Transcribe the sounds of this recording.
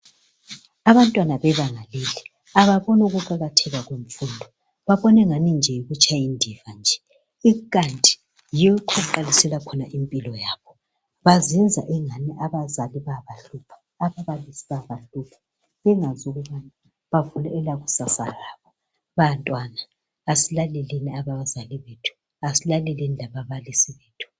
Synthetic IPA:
aβantʼwanaβɛβaŋalelɛ | aβaβɔnuɣuǃaɣatʰɛɣaɣuɱ̩fundʱɔ | βaβɔnɛŋanind͡ʒʱɛjiɣut͡ʃʼʰajindʱivand͡ʒʱɛ̥ | ikʼantʼi̥ | jijɔukʰɔǃalisɛlakʰɔnaʔimpʼilɔjaːβɔ | βazɛnd͡zʱa̰ʔɛŋaniʔaβazaliβaβaɬupʰḁ | aβaβalisiβaβaɬupʰḁ | βɛŋazuɣuβana | βavulɛɛlaɣusasalaːβɔ | βantʼwanaː | silalɛliniaβaβazaliβetʰu̥ | asilalɛlinilaβaβalisiβeːtʰu̥

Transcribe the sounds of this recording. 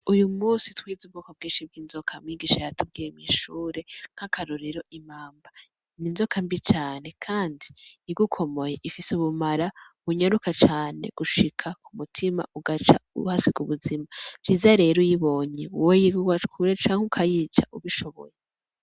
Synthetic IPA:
ujumuːsitwiːzub̚ɡukob̚ɡĩːnʃib̚ɡiːnzo̞kʰamŋwiːɡiːʃajatub̚ɡiːjemiʃuːɾe̞ŋ̥hakʰaɾuɾiɾo̞imaːmba | ninzo̞kʰambit͡ʃaːne̞kʰaːndiiɡukʰo̞mo̞jeʔifisuβumaɾa | βuɲaɾukat͡ʃaːneɡ̥uʃikʰakʰumutʰima̰ʔuɡat͡ʃaṵhasiɡuβuzimav̥jiːzaɾe̞ːɾojiβo̞ːɲeuwejiɡuɡwatkʰuɾet͡ʃaːŋ̥hukʰajiːt͡ʃa̰ʔuβiʃo̞βo̰je

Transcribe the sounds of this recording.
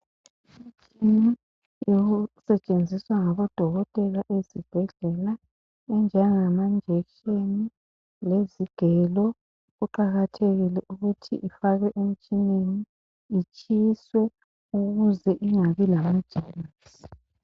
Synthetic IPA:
im̩t͡ʃʼini | joɣusɛt͡ʃʼend͡zʱiswaŋaβɔd̥ʱɔɣɔtʼɛlaʔezib̥ʱɛɮɛla | ɛnd͡ʒʱɛŋamand͡ʒʱɛʃeni | leziɡ̥ʱɛlɔ | ɣuǃaɣatʰeɣilɛʔuɣutʰḭʔifaɣɛʔem̩t͡ʃʼineniː | t͡ʃʼiswɛ | uɣuzɛʔiŋaβilamad̥ʒ̥ʱinisi̥

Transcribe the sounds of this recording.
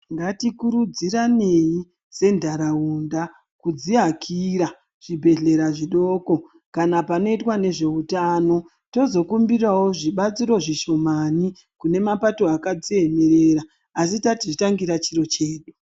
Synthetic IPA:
ŋɡatikuɾud͡zirane̞i | ze̞ndʱaɾaunda | kud͡ziakʰiɾa | ʐ̥ibʱe̞ɮe̞ɾaʐiɗo̞ːko̞ | kanapano̞itwane̞ʐe̞utaːno̞ | to̞zo̞kumbirawo̞ʐiɓat͡siɾo̞ʐiʃo̞mani | kune̞mapato̞akad͡zieme̞ɾera | asitatiʐitaŋɡiɾat͡ʃiro̞t͡ʃe̞ːɗu

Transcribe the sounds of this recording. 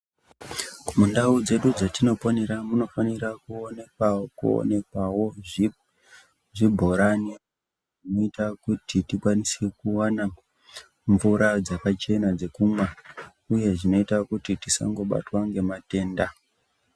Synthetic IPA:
mundaud͡ze̞ɗud͡zatino̞poneɾamuno̞faniɾakuonekwaokuo̰ne̞kwawo̞ | ʐibʱo̞ɾane | ʐinoitakutʰitikwanisekuwana | ɱvuɾad͡zakat͡ʃe̞nad͡ze̞kumwa | uje̞ʐino̞itakutitisa̰ŋɡo̞ɓa̰twaŋɡe̞mate̞ːnda

